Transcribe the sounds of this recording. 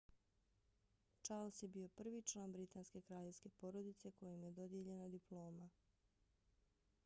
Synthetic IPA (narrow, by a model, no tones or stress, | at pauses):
t͡ʃaɾlsje̞bio̞pr̩ʋit͡ʃlˠaːnbɾit̪aːnske̞kɾaːʎeʋske̞po̞ɾod̪it̪se̞ko̞jemje̞d̪o̞d̪je̞ʎe̞nad̪iplˠo̞ːma